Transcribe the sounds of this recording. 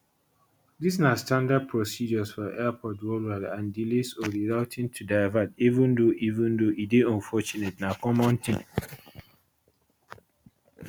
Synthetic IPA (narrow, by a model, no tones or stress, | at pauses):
disnastãndad̚pʰɹɔsid͡ʒɔsfɔʔɛpʰɔtwolalãndilisɔdiɹaʊtʰĩntʰudaɪvadivũndoʔivũndoʔideɔ̃ɱfɔt͡ʃunetnakɔmɔ̃ntʰĩŋ